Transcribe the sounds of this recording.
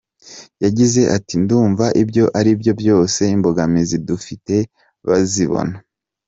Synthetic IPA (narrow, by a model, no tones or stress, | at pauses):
jaɟize̞ʔatinduːɱvaʔibjo̞ʔaɾibjo̞bjo̞ːse̞imbo̞ɡamizidufite̞ | βaziβo̰na